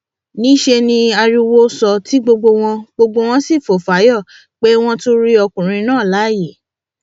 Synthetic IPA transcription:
nĩ˦ʃe˧nĩ˧a˧ɾi˧wo˦sɔ˧tʰi˨˦ɡ͡bo˧ɡ͡bo˧w̃ɔ̃˧ɡ͡bo˧ɡ͡bo˧w̃ɔ̃˦si˦˨fo˨fa˨˦jɔ˦˨ | k͡pe˦w̃ɔ̃˦to˦ɾi˦ɔ˧kũ˨ɾ̃ĩ˧nãː˦˨la˨˦˨ji˦˨

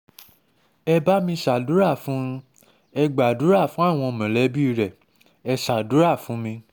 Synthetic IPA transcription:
ɛ˧ba˦mĩ˧ʃa˨du˨˦ɾa˦˨fũ˨˦ | ɛ˧ɡ͡ba˨du˨˦ɾa˦˨fũ˦a˦˨w̃ɔ̃˧˨mã˨lɛ˨˦bi˦i˧ɾɛ˨ | ɛ˧ʃa˨du˨˦ɾa˦˨fũ˨˦mĩ˧

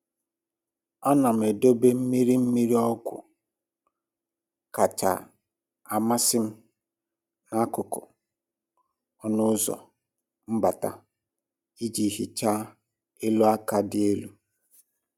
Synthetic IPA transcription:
a˦na˨m̩˨e˨do˦be˦m̩˦mi˦ɾi˦m̩˦mi˦ɾi˦ɔ˦ɡʷʊ̰˨ | ka˨t͡ʃa̰˨ | a˨ma˦sɪ˦m̩˦ | na˦kʊ˨kʊ̰˨ | ɔ˦nʊ˦zɔ̰˨ | m̩˦ba˨ta̰˦ | i˦d͡ʒi˨˦ɦi˨t͡ʃa˦ | e˦lu˦a˦ka˦dɪ˦e˦lu˦

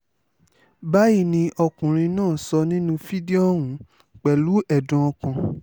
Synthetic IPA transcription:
ba˦ji˦˨nĩ˧ʔɔ˧kũ˨ɾ̃ĩ˧nãː˦˨sɔ˧nĩ˦nũ˦fi˦di˦ɔ˦wũ˨˦ | k͡pɛ˨lu˨˦ɛ˦˨dɔ̃˧˦ɔ˧kã˧

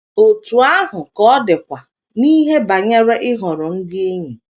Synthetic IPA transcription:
o˨tu˨a˦ɦʊ˨kɔ˦dɪ˨kʷa˨ | niː˦ɦe˦ba˨ɲa˦ɾe˦ʔɪ˦ɦɔ˨ɾʊ˨n̩˦dɪ˦e˦ɲi˨

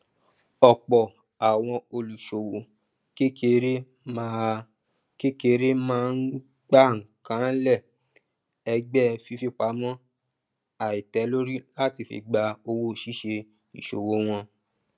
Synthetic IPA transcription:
ɔ˨k͡pɔ˨ | a˨w̃ɔ̃˧o˧lu˨ʃo˨wo˨ | ke˦ke˧ɾe˦ | ke˦ke˧ɾe˦mãː˦n̩˦ | ɡ͡ba˦ŋ̩˨kã˨˦lɛ˦˨ | ɛ˧ɡ͡bɛ˦fi˧fi˦˧k͡pa˨˦mɔ̃˦ | a˨i˨tɛ˨˦lo˦ɾi˦la˦ti˧fḭ˧˨ɡ͡ba˧o˧wo˦˨ʃi˦ʃe˧ | ḭ˨ʃo̰˨wo˨˦w̃ɔ̃˧

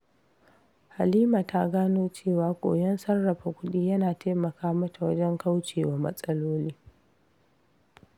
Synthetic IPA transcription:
ha˨liː˦ma˨ta˦ɡaː˦noː˦t͡ʃeː˦˨waː˨kʷʼo̰ː˨jɐ˦nsɐ˦rːɐ˨ɸa˨kʷʊ˦ɗiː˦jɐ˦naː˨taː˦mɐ˨kaː˦mɐ˦ta˨wɐ˦d͡ʒɛ˦ŋka˦wt͡ʃeː˨waː˨mɐ̰˦sʼɐ˦loː˦liː˦

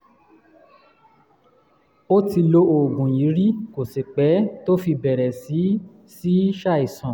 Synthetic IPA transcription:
o˦ti˧lo˦o˨ɡũ˨ji˨˦ɾi˦ko˨se˨k͡pɛ˨˦to˦fi˧bɛ˨ɾɛ˨si˨˦ | si˦ʃa˦˨i˨sɔ̃˨

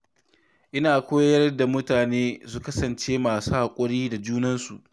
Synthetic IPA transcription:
ʔɪ˦naː˨kʷoː˦jjɐ˦rrda˨mʊ˦taː˨neː˦su˦˨kɐ˦sɐ˨nt͡ʃeː˦maː˨suː˦ha˨kʷʼʊ˦ɽiː˦da˨d͡ʒuː˦nɐ˦nsu˨ʔ

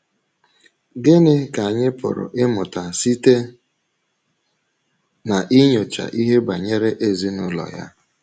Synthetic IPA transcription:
ɡɪ˦nɪ˦ka˨ɲɪ˦pʊ̰˨ɾʊ̰˨ʔɪ˦mʊ˨ta˨si˦te˦ | na˨ʔi˦ɲo˨t͡ʃa̰˨ʔi˦ɦe˦ba˨ɲe˦ɾe˦ʔe˦zi˦nʊ˦lɔ̰˨ja̰˦

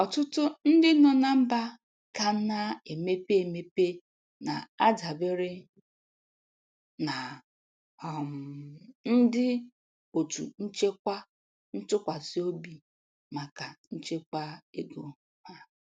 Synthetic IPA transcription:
ɔ˨tʊ˦tʊ˦n̩˦dɪ˦nɔ˨na˦m̩˦ba˦ | ka˨˦na˦e˨me˦pe˦e˨me˦pe˦ | na˨a˦da˨be˦ɾɪ˦ | na˨ | ɔ˨m̩˨n̩˦dɪ˦ | o˨tṵ˨n̩˦t͡ʃe˦kʷa˦ | n̩˦tʊ˦kʷa˨si˦o˦bi˨ | ma˨ka˨n̩˦t͡ʃe˦kʷa˦e˦ɡo˨ | ha˦

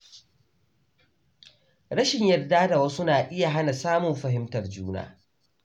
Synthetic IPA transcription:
ɽɐ˦ʃɪ˨ɲjɐ˨rdaː˦da˨wɐ˦sʊ˦naː˨ʔɪ˦ja˨ɦa˦na˨saː˦mʊ˨mɸɐ˨ɦɪ˦mtɐ˨rd͡ʒuː˦na̰ː˦

